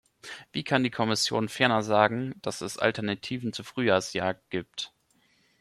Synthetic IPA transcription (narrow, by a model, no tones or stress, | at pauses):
v̥iːkʰandiːkʰɔmɪsjoːnfɛɐnɐzaːɡŋ̩d̥asɛsʔa̰ltɛɐnatʰiːvn̩t͡suːfʁ̥yːjaːsjaːk̚ɡ̥iːp̚t